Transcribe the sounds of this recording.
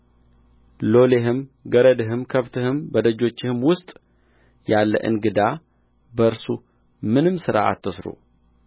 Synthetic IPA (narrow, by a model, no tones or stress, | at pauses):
lo̞leɦɨmɡəɾəd̪ɨɦɨmkʰəβt̪ʰɨhɨmbəd̪əd͡ʒo̞t͡ʃːɪhɨmwʊst̪ʼ | jalːə̰ʔɨ̰nɡɨd̪a | bəɨɾsu | mɨnɨmsɨɾa̰ʔa̰t̪ʰːɨsɾṵ